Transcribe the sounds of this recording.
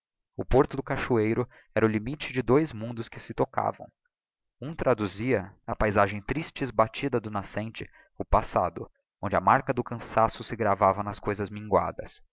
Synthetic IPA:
ʊpoɾt̪ʊd̪ʊkaʃuejɾʊ | ɛɾɐʊlimit͡ʃɪd͡ʒɪd̪ojzmũnd̪ʊskɪsɪt̪oka̰vɐ̰̃w̃ | ũt̪ɾad̪uziɐɐpajzaʒẽj̃t̪ɾist͡ʃɪɪzbat͡ʃid̪ɐd̪ʊnasẽnt͡ʃɪ | ʊpasad̪ʊ | õnd͡ʒɪɐmaɾkɐd̪ʊkɐ̃sasʊsɪɡɾavavɐnɐskojzɐzmĩŋɡwa̰d̪ɐ̰s

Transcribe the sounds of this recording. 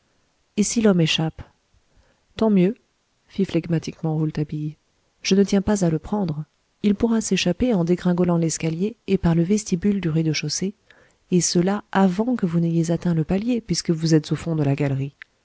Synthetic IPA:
esilɔmeʃap | t̪ɑ̃mjø | fiflɛɡmat̪ikmɑ̃ʁult̪abij | ʒ̥ənət̪jɛ̃pazaləpχɑ̃d̪ʁ | ilpuʁaseʃapeɑ̃d̪eɡʁɛ̃ɡɔlɑ̃lɛskaljeːpaʁləvɛst̪ibyld̪yʁid̪əʃose | esəlaʔavɑ̃kəvunejezat̪ɛ̃ləpaljepɥiskəvuzɛt̪z̥ofɔ̃d̪əlaɡalʁi

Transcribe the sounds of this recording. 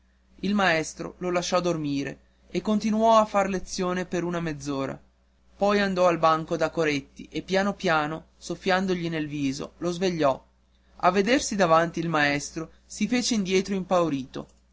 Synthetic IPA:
ilmaɛst̪ɾo̰lolaʃːɔd̪ormiːɾḛ | ekːont̪inuɔafːarlet̪sːjoːnepeɾunamed̪zːoːɾa̰ | pɔjand̪ɔalbaŋkod̪akoɾet̪ːiʔepːjaːnopjaːno | sofːjand̪oʎinelviːzo̰lozveʎːɔ | a̰vːed̪ersid̪avant̪iːlmaɛst̪ɾo | sifeːt͡ʃeind̪jɛːt̪ɾoimpawɾiːt̪o̰

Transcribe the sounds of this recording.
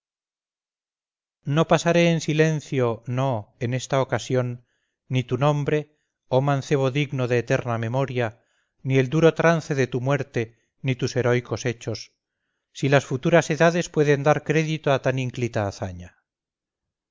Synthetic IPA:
no̞pasaɾe̞ːnsilẽ̞n̟θjo̞no̞ene̞st̪aokasjo̞nː | it̪unõ̞mbɾe̞ | omãnθe̞β̞o̞ðiɣno̞ðe̞ːt̪e̞ɾname̞mo̞ɾja | nie̞ld̪uɾo̞t̪ɾan̟θe̞ðe̞t̪umwe̞ɾt̪e̞ | nit̪use̞ɾo̞jko̞se̞t͡ʃo̞sː | ilasfut̪uɾase̞ðaðe̞spwe̞ðe̞nd̪aɾkɾe̞ðit̪oat̪aniŋklit̪aːθaɲa

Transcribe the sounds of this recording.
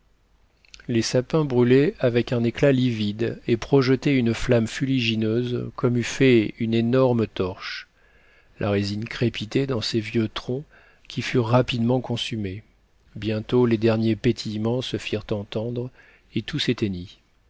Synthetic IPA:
lesapɛ̃bʁylɛavɛkɛ̃neklalivid̪epχɔʒət̪ɛynəflamfyliʒinøzkɔmyfɛynenɔʁmət̪ɔʁʃ | lʔa̰ʁezinkχepit̪ed̪ɑ̃sevjøt̪χɔ̃ | kʲifyʁːapid̪mɑ̃kɔ̃syme | bjɛ̃t̪oled̪ɛʁnjepet̪ʰijmɑ̃səfiʁt̪ɑ̃t̪ɑ̃d̪ʁ | et̪uset̪eni

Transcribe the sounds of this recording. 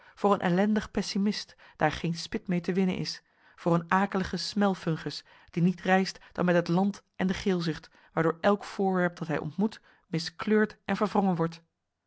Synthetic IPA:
v̥ʊːɹənʔɛ̰lɛndəχpɛsimɪst | d̥aːɹχejnspɪtmejtəʋɪnə̰nʔɪ̰s | v̥ʊːɹənaːkələχəsmɛlˠfɵŋχəs | d̥initrɛjstd̥ɑ̰nmɛtɦətlɑntʔɛndəχɪːlˠzɪχt | ʋaːɹdʊːɹɛlˠkfʊːɹʋɛɹp̚d̥ɑtɦɛjʔɔ̰ntmut | mɪskløːɹtʔɛnvəɹvrɔŋənʋɔɹt

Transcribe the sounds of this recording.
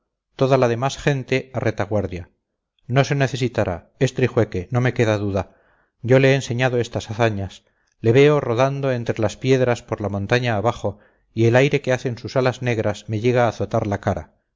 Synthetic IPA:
t̪o̞ðalað̞e̞masχe̞nt̪e̞arʔe̞t̪aɣ̞waɾðja | no̞se̞ne̞θe̞sit̪aɾa̰ | est̪ɾixwe̞ke̞no̞me̞ke̞ðaðuða | ɟ͡ʝo̞leeːnse̞ɲaðo̞e̞st̪asaθaɲas | le̞βe̞o̞ro̞ðand̪o̞e̞nt̪ɾe̞laspje̞ðɾaspoɾlamõ̞nt̪aɲaːβaχo̞ | ie̞lajɾe̞ke̞aθe̞nsusalazne̞ɣ̞ɾasme̞ʎe̞ɣ̞aːθo̞t̪aɾlakaɾa̰

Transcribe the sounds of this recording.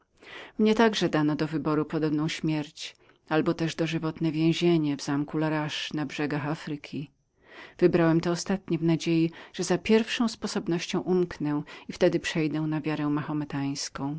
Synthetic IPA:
mɲɛt̪aɡʐɛd̪anɔd̪ɔvɘbɔɾupɔd̪ɔbnɔ̃w̃ɕmʲjɛɾt͡ɕ | albɔt̪ɛʐd̪ɔʐɘvɔt̪nɛvʲjɛ̃w̃ʑeɲɛvzamkulaɾaʂnabʐɛɡaxafɾɘkʲʰi | v̥ɘbɾawɛmt̪ɔːst̪at̪ɲɛvnad͡ʑejiʐ̥ɛzapʲjɛɾfʂɔ̃w̃spɔsɔbnɔɕt͡ɕɔ̃w̃ʔumknɛ̃ift̪ɛd̪ɘpʂɛjd̪ɛw̃navʲjaɾɛmaxɔmɛt̪aj̃skɔ̃w̃

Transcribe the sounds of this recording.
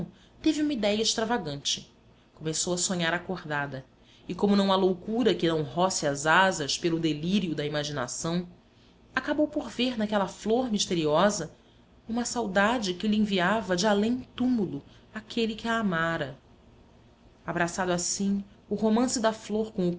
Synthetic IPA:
t̪evɪũmɐid̪ɛjɐɪʃt̪ɾavaɡɐ̃nt͡ʃɪ | komesowɐsõɲaɾakoɾd̪ad̪ɐ | ɪkõmʊnɐ̃w̃alowkuɾɐkɪnɐ̃w̃ɦɔsɪɐzazɐʃpelʊd̪eliɾiʊd̪ɐimaʒina̰sɐ̃w̃ | akabowpoɾveɾnakɛlɐfloɾmiʃt̪eɾiɔzɐ | ũmɐsawd̪ad͡ʒɪkɪlɪẽviavɐd͡ʒɪalẽj̃t̪umulʊ | akʰelɪkɪaːmaɾɐ | abɾasad̪ʊasĩ | ʊɦomɐ̃sɪd̪ɐfloɾkõw̃ʊ

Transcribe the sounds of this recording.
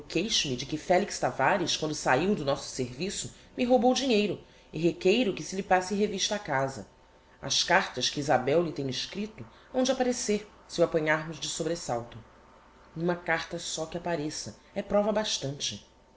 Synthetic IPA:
kejʃʊmɪd͡ʒɪkɪfɛlikst̪avaɾiʃkwɐ̃nd̪ʊsaiwd̪ʊnɔsʊ̥seɾvisʊ | mɪɦobowd͡ʒiɲejɾʊ | ɪɦekejɾʊkɪsɪlɪpasɪɦeviʃt̪ɐːkazɐ̰ | ɐ̰ʃkaɾt̪ɐʃkiizabɛwlɪt̪ẽɲ̃ɪʃkɾit̪ʊ | ɐ̃w̃d͡ʒɪapaɾeseɾ | sɪuapɐ̃ɲaɾmʊʒd͡ʒɪsobɾesawt̪ʊ | ũmɐkaɾt̪ɐsɔkɪapaɾesɐ | ɛpɾɔvɐbaʃt̪ɐ̃nt͡ʃɪ

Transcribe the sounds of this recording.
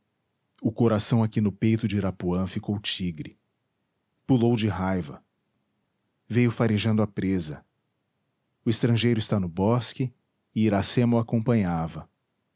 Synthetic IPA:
ʊkoɾasɐ̃w̃akinʊpejt̪ʊd͡ʒɪɾapuɐ̃fikowt͡ʃiɡɾɪ | pulowd͡ʒɪɦajvɐ̰ | vejʊfaɾeʒɐ̃nd̪ʊapɾezɐ | ʊɪst̪ɾɐ̃ʒejɾʊɪst̪anʊbɔskɪ | ɪiɾasẽmʊakõpɐ̃ɲavɐ

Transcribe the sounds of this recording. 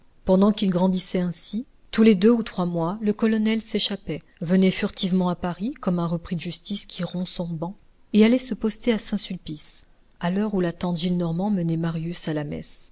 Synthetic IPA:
pɑ̃d̪ɑ̃kilɡʁɑ̃d̪isɛɛ̃si | t̪uled̪øut̪χwamwaləkɔlɔnɛlseʃapɛ | vənɛfyʁt̪ivmɑ̃apaʁikɔmɛ̃ʁəpχid̪əʒyst̪iskʰʲiʁɔ̃sɔ̃bɑ̃ | ealɛsəpɔst̪easɛ̃sylpis | alœʁulat̪ɑ̃t̪ʒilnɔʁmɑ̃mənɛmaʁjysalamɛ̰s

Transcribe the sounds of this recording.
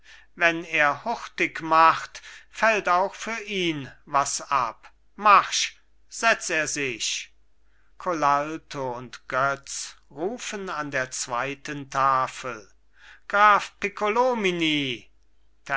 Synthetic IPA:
vɛneːɐhʊχtɪkmaχtfɛltaʊxfyːɐʔiːnvasa̰p | maʁʃ | z̥ɛt͡steːɐzɪʃ | kʰolaltʰoʊntɡ̥œt͡sʁuːfənandeːɐt͡sv̥aɪtəntʰaːfəl | ɡ̥ʁaːfpikʰolominiː | tʰ

